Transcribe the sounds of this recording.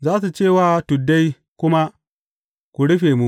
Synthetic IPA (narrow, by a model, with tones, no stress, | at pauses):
zaː˦s̬u˨t͡ʃeː˦˨waː˦˨tʊ˨dːa˦j | kʷʊ˦ma˦ | kʷu˨ɽʊ˦ɸeː˨mu˦